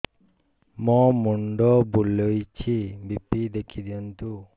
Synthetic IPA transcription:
mɔmuɳɖɔbulojt͡ʃʰibipid̪ekʰid̪ijɔnt̪u

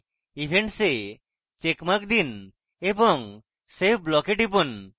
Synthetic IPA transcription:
ibʱeɳʈse | t͡ʃekmak̚d̪in | ebɔŋ | sep̚blɔkeʈibɔn

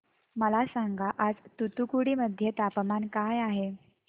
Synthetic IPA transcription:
məlasaŋɡaʔad͡zt̪ut̪ukuɽiːməd̪ʱːjet̪apmankajaɦe

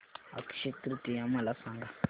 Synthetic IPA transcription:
a̰ki̥ʃit̪ɾitijamalasaŋɡa

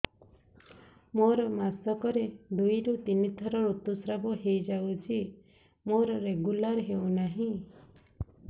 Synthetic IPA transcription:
moɾɔmasɔkɔɾed̪ujɾut̪init̪ʰɔɾɔɾut̪ːusɾabɔɦejd͡ʒawt͡ʃʰi | moɾɔɾeɡulaɾɦewnaɦĩ

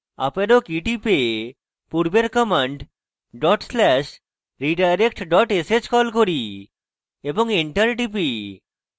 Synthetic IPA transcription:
a̰peɾokiʈipe | puɾbeɾkɔmeɳʈ | ɖɔʈslɛʃ | ɾiɖajɾekʈɖɔʈesed͡ʑkɔlkoɾi | eboŋiɳʈaɾʈip̬i

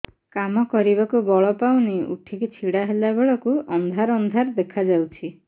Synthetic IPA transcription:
kamɔkɔɾibakubɔɭɔpawniṵʈʰikit͡ʃʰiɽaɦelabeɭɔkuʔɔnd̪ʱaɾɔnd̪ʱaɾd̪ekʰad͡ʒawt͡ʃʰi

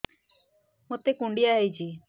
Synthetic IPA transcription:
mot̪ekuɳɖijaɦejt͡ʃʰi

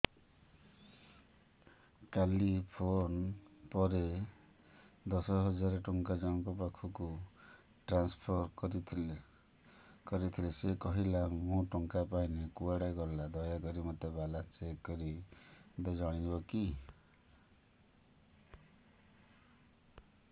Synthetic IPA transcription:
kalipʰonpɔɾe | d̪ɔsɔɦɔd͡ʒaɾeʈuŋkad͡ʒãŋkɔp̬akʰuku | ʈɾanspʰɔɾɾi | kɔɾit̪ʰilesekɔɦilamũʈɔŋkapainekuaɽajɡɔɾlad̪ɔjakɔɾimɔt̪ebalat͡ʃekːɔɾib̪ed͡ʒaɽ̃ibɔki

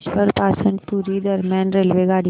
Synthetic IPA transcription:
t͡ʃpəɾpaːsə̃nd̪puːɾid̪ɐɾmjãːnɾeːlʋeɡaːɽi

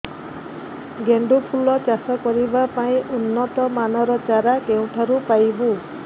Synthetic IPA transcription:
ɡeɳɖupʰulɔt͡ʃasɔkɔɾibapaĩʔunːɔt̪ɔmanɔɾɔt͡ʃaɾakew̃ʈʰaɾupajbu

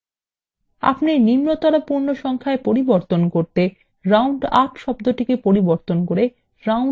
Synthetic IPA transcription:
a̰pneɾnimnot̪ɔɾapuɾnoʃɔŋkʰaepoɾiboɾt̪onkoɾt̪e | ɾawɳɖaʈʃɔbd̪oʈikepoɾiboɾt̪onkoɾe | ɾaw

